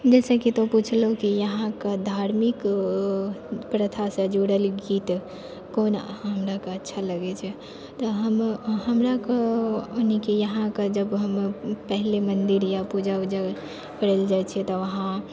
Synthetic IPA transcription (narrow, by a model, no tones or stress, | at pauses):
d͡ʒɛsəkit̪oput͡ʃʰləɦukijəɦãkəd̪ʱaɾmik | pɾət̪ʰasə̃d͡ʒoɽəlɡit̪ | konɦəmɾakeətːʃʰaləɡɛt͡ʃʰɛ | t̪ɔɦəmhəmɾakeonikijəɦãked͡ʒəbɦəmpɛɦlemənd̪iɾjapud͡ʒaud͡ʒaɡ | kəɽeld͡ʒat͡ʃʰɛt̪ɔʋəɦã